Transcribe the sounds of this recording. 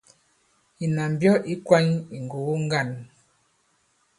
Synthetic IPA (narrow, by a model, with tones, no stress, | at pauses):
i˨na˨m˨bjɔ˦ʔi˦kwa˦ɲi˨ŋɡo˨˦ŋ˦ɡa˦˨n